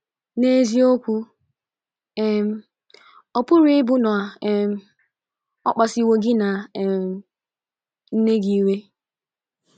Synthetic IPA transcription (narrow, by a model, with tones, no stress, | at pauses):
ne˦zi˦o˦kʷu˦ | e˦m̩˦ | ɔ˨pʊ˦ɾi˦ɪ˦bʊ˦nɔ˨a˨˦m˦ | ɔ̰˦k͡pa˨si˨wo˨ɡɪ˦na˨ | n̩˦ne˦ɡi˦i˦we˦